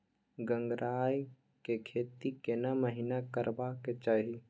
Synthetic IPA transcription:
ɡə̃ŋɡɾʔaːj | kekʰeːt̪ikenaməɦinakəɾbaket͡ʃaːɦi

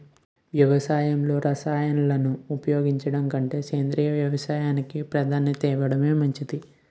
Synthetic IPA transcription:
ʋjɐʋɐsaːjɐmlo̞ːɾʔɐsaːjɐnulɐnuːpɐjo̞ːɡiɲt͡ʃɐɽɐŋkɐɳʈe̞ːkeːnd̪ɾiːjɐʋjɐʋɐsaːjaːnikipɾɐd̪ʱaːnɐt̪ɛːʋɐɽɐme̞ːmɐɲt͡ʃid̪i

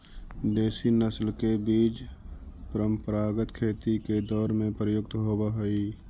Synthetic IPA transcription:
d̪eːsinəslkebiːd͡ʒpəɾəmpəɾaːɡət̪kʰeːt̪iked̪ɔːɾmẽpɾəjʊɡ̚t̪ɦobaɦoi

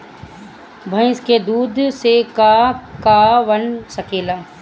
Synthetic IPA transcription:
bʱə̃ɪ̃sked̪uːd̪sekakaʋənsəkeːlaː

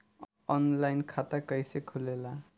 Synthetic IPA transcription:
ʌnlajnkʰat̪akʌjsekʰulela

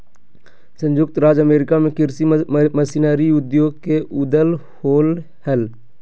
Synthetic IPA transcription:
sə̃ɲd͡ʒʊk̚t̪ɾaːd͡ʒəmeːɾɪkamẽkɪɾsiməsinaːɾiʊd̪joːɡ̚keʔʊd̪əl | hoːl | hɛl

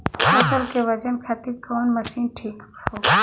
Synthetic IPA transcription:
sɐsəɾkeʋɐd͡ʒənkʰaːt̪iɾkɔːnmɐsiːnʈʰiːk | oː

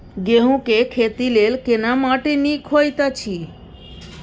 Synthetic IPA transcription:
ɡeɦũkekʰet̪ilelkenamaʈenĩkʰojt̪at͡ʃʰi

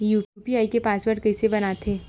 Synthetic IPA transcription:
juːʈjuːpiaːikepaːsbəɽkɐɪsebɐnat̪ʰeː

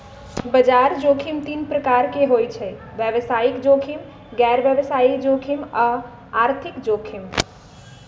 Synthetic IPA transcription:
bəd͡ʒaɾd͡ʒokʰimt̪inpɾəkaɾkeɦojt͡ʃʰɛ | bjəʋsaikd͡ʒokʰim | ɡɛɾbjəbəsaid͡ʒokʰima | aɾt̪ʰikd͡ʒokʰim

